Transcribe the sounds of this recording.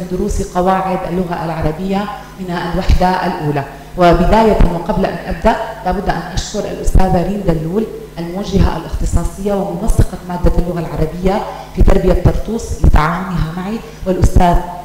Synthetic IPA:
ɪnd̪ʊɾuːsqɑwaːʕɪd̪ʔa̰lːʊɣaʔalʕɑɾˤɑbɪjːa | mɪnalwaħd̪aʔa̰lʔuːla | wɪbɪd̪aːjaawɪqɑblaʔa̰nʔab̚d̪aʔlaːbʊd̪ːʔanʔaʃkʊɾʔa̰lʔʊst̪aːðaɾiːnd̪alːuːl | ʔalmʊwaʒːaɦa̰ʔa̰lʔɪxt̪ɨsˤɑːsˤɪjːawɪmʊnɑsːɪqɑmaːd̪ːaʔalːʊɣalʕɑɾˤɑbɪjːa | fiːt̪ɑɾˤbɪjat̪ːɑɾˤt̪ˤuːsˤlɪt̪aʕaːwʊnɪɦamaʕi | wɪlʔʊst̪aːð

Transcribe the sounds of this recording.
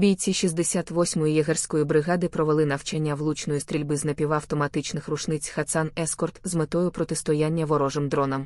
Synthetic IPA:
bʲijt͡sʲiʃizʲd̪esʲat̪ʋɔsʲmɔjʊjɐɦɛrʲsʲkɔjibɾɪɣɑd̪ɪpɾɔʋelˠɪnɐwt͡ʃɛnʲːɐʋlˠut͡ʃnɔjist̪ɾʲilʲbɪznɐpʲiʋaːwt̪ɔmɐt̪ɪt͡ʃnɪxrʊʃnɪt͡sʲxɐt̪sanɛskɔrt̪zmet̪ɔjʊpɾɔt̪ɪst̪ɔjanʲːɐʋɔɾɔʐɪmd̪ɾɔnɐm

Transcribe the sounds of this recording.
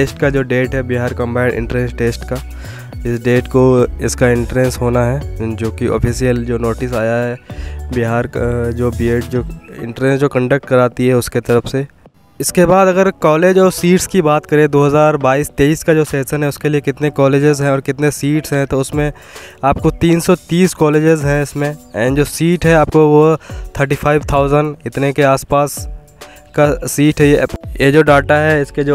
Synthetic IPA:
ʈeːsʈkad͡ʒoːɖeːʈɦɛbɪɦaːɾkɐ̃mbaːɪɳɖʔɪ̰̃ɳʈɾẽnsʈeːsʈka | ɪsɖeːʈkoɪskaɪ̃ɳʈɾɛ̃nsɦoːnaɦɛːd͡ʒoːkiʔɔ̰ːpʰiːsijəld͡ʒoːnoːʈɪsaːjaɦɛbɪɦaːɾd͡ʒoːbieːʈ̚d͡ʒoːɪ̰̃ɳʈɾẽnsd͡ʒoːkɐ̃ɳɖək̚ʈkɐɾaːt̪iɦɛʊsket̪ɐɾəfse | ɪskebaːd̪ɐɡəɾkɔːleːd͡ʒɔːɾsiːʈskibaːt̪kɐɾẽd̪oːɦɐzaːɾbaːiːst̪eːiːskad͡ʒoːseːsənɦɛʊskeliekɪt̪nekɔːleːd͡ʒɪzɦɛ̃ɔːɾkɪt̪nesiːʈsɦɛ̃t̪oʊsmẽ | aːp̚kot̪iːnsɔt̪iːskɔːleːd͡ʒɪzɦɛ̃ɪsmẽɛ̃ːɳɖd͡ʒoːsiːʈɦɛaːpkoʋot̪ʰəɾʈ̬iːfʰaːɪʋt̪ʰaːʊzənɖɪt̪nekeaːspaːs | kasiːʈɦɛjejed͡ʒoːɖaːʈaɦɛɪsked͡ʒo

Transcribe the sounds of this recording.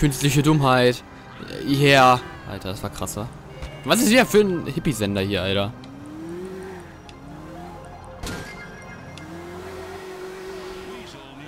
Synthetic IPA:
kʰʏnstlɪçədʊmɦaɪt | eːɐʔa̰ltʰɐdasv̥aːɐkʁ̥asɐ | vasɪstv̥iːɐfyːɐnhɪpizɛndɐhiːɐʔaltɐ

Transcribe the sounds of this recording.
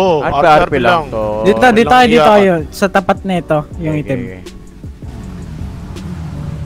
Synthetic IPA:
pd̪it̪od̪iokɐd̪iːt̪oɐjonsɐt̪ɐpat̪̚nɐɪt̪ojʊŋɪt̪ɪm

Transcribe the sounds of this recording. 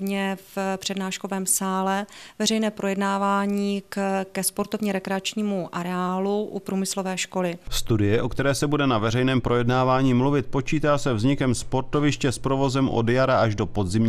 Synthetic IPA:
vɲɛfpr̥ɛdnaːʃko̞vɛːmsaːlɛvɛrɛjnɛːpɾo̞jɛdnaːvaːɲiːkkɛspo̞ɾt̪o̞vɲɛɾɛkɾɛat͡ʃɲiːmuʔaɾɛaːluʔupɾuːmɪslo̞vɛːʃko̞lɪst̪udɪjɛʔo̞kt̪ɛɾɛːsɛbudɛnavɛrɛjnɛːmpɾo̞jɛdnaːvaːɲiːmluvɪt̪̚po̞t͡ʃiːt̪aːsɛvzɲɪkɛmspo̞ɾt̪ovɪʃcɛspɾovo̞zɛmʔo̰djaɾaʔaʒdo̞po̞d̪zɪmɲ

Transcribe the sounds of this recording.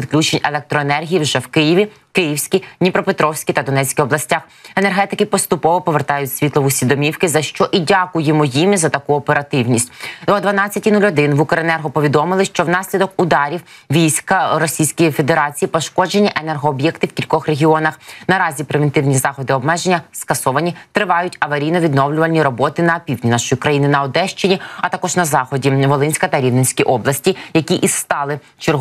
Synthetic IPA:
pʲit̪klʲut͡ʃenʲelˠɛk̚t̪ɾɔenɛrɦʲijiwʒɛwkɪjiʋʲi | kɪjiwsʲkʲinʲipɾɔpet̪ɾɔwsʲkʲit̪ɐd̪ɔnɛt͡sʲkʲiɔblˠɐsʲtʲax | enerɦɛt̪ɪkɪpɔst̪ʊpɔʋɔpɔʋert̪ɑjʊtʲsʲʋʲit̪lˠɔʋʊsʲʋʲid̪ɔmʲiwkɪzɐʃt͡ʃɔʔidʲakʊjɪmʊjimɪzɐt̪ɐkuɔpeɾɐt̪ɪwnʲisʲt̪ʲɔd̪ʋɐnɑt͡sʲːɐtʲinulʲɔd̪ɪnʋukɾenɛrɦɔpɔʋʲid̪ɔmɪlˠɪʃt͡ʃɔwn̪ɑsʲlʲid̪ɔkʊd̪ɑɾʲiw | ʋʲijsʲkɐɾɔsʲijsʲkɔjife̞d̪eɾɑt͡sʲijipɔʃkɔd͡ʒe̞nʲːiʔenerɦɔːbjɛkt̪ɪwkʲilʲkɔxre̞ɦʲiɔnɐxnɐɾɑzʲipɾeʋent̪ɪwnʲizɑxɔd̪ɪɔbmɛʒenʲːɐskɐsɔʋɐnʲit̪ɾɪʋɑjʊtʲɐʋɐɾʲijnɔʋʲid̪nɔwlʲʊʋɐlʲnʲːiɾɔbɔt̪ɪnɐpʲiwʲnʲinɑʃɔjikɾɐjinɪnɐɔd̪ɛʃt͡ʃɪnʲiɐt̪ɑkɔʒnɐzɑxɔdʲiʋɔlˠɪnʲsʲkɐt̪ɐɾʲiwnɪnʲsʲkʲiʔɔblˠɐsʲtʲijɐkʲiʔisst̪ɑlˠɪ | t͡ʃɪrɦ

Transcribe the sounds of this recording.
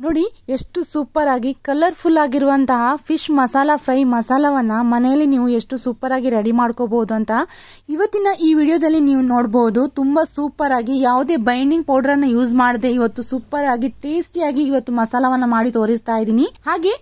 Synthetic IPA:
noːɽie̞ʂʈusuːpɐɾaːɡikɐlɐɾpʰulːaːɡiɾuʋɐnt̪ɐɦɐpʰiʃmɐsaːlɐpʰɾɐjmɐsaːlɐʋɐnːɐmɐnɛjɐlːiniːʋue̞ʂʈusuːpɐɾaːɡiɾɐɽimaːɽkoːboːd̪uɐnt̪ɐ | iʋɐt̪ːinɐʔiːʋiːɽijoːd̪ɐlːiniːʋunoːɽboːud̪ut̪umbɐsuːpɐɾaːɡijaːʋud̪e̞ːbɐjɳɖiŋɡ̚poːɖɐɾɐnːɐjuːd͡ʒmaːɽd̪e̞iʋɐt̪ːusuːpɐɾaːɡiʈeːsʈjaːɡiːʋɐt̪ːumɐsaːlɐʋɐnːɐmaːɽit̪o̞ːɾist̪aːjid̪iːnihaːɡe̞ː

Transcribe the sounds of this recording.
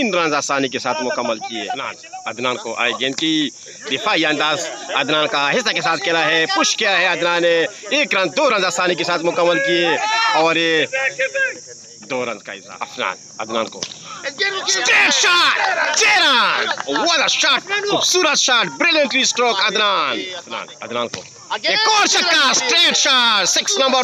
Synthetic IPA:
ɪnɾɐ̃nzaːsaːnik̬esaːt̪ʰmʊkəmːəlkiḛna̰ːn | ɐd̪naːnkoʔa̰ːɡẽnki | d̪ɪfʰaːiɐ̃nd̪aːzɐd̪naːnkaɦɪs̬akesaːt̪ʰkelaɦɛpʊʃkɪjaɦɛɐd̪naːneeːkɾɐ̃nd͡ʒd̪oːɾɐ̃nd͡ʒaːsaːnikesaːt̪ʰmʊkəmːəlkieɔːɾ | d̪oːɾɐ̰̃nd̪ka̰ɦɪ̰sa̰ɐ̰fna̰ːn | ɐ̰d̪na̰ːnko̰ | sʈɾeːʈʃaːʈ̚t͡ʃeːɾanwɐd̪aʃaːʈsuːɾət̪ʃaːʈbɾɪljə̃ɳʈɾisʈɾɔːkɐd̪naːnɐfna̰ːnɐ̰d̪na̰ːnko̰ː | ekɔːɾsɐkːasʈɾeːʈʃaːʈsɪksnɐ̃mbə

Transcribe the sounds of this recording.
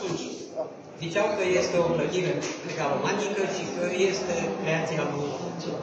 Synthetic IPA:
t̪unt͡ʃ | zit͡ʃawkəje̞st̪e̞o̞pɾəd̪iɾekɾekaɾomant̪ikəʃikəje̞st̪e̞kɾe̞at̪siabunu

